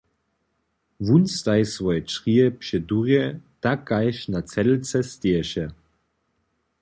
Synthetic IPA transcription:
vunst̪ajsvɔjɛt͡ʃʁiɛpʃɛduʁjɛtakajʃnat͡sɛlt͡sɛst̪eɛɕɛ

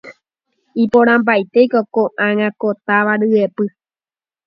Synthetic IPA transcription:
ipoɾ̃ãmbajt̪e̞jkokoʔãŋãkot̪aʋaɾɨepɨ

